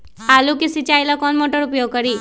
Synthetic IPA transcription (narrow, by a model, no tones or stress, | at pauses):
alukisit͡ʃajlakɔnmoʈəɾupjoɡ̚kəɾiː